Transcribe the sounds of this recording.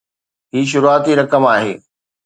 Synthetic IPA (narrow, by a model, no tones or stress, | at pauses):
ɦiːʃ̬ʊɾuaːt̪iɾɐkəmaːɦḛː